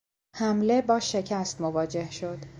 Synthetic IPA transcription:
hæmle̞bɒːʃe̞cʰæst̪movɒːd͡ʒe̞hʃo̞d̪̥

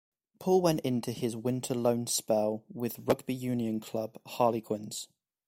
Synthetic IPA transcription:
pʰɔːlˠwɛ̃ntɪ̃ntʰuɪzwɪ̃ntʰələ̃ʊ̃nspɛlˠwɪðɹʌɡ̚bijʉːniə̃nkʰl̥ʌb̥hɑːlɪɡʰwɪ̃nz̥

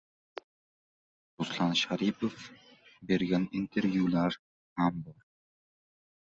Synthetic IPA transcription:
ɾʊslˠɑnʃaɾipʰofbe̞ɾɡʲanint̪ʰeɾvjulaɾ | hambɒɾ

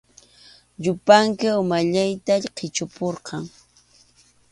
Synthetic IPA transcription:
ʎʊpaŋkɪʊmaʎajt̪aʎqʰɪt͡ʃʊpoɾqɑŋ

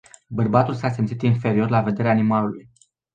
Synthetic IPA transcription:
bərbat̪ulsasemt̪sit̪infe̞ɾio̞rlave̞d̪eɾeaːnimaluluj

